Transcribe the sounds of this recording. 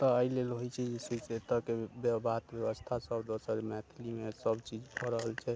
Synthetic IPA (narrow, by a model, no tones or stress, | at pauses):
t̪ɔəilelɦojt͡ʃʰɛd͡ʒesəset̪əkebjəbat̪bjəbəst̪ʰasəbd̪osəɾmɛt̪ʰilimesəbt͡ʃid͡ʒbʰʱɔɾəɦəlt͡ʃʰɛ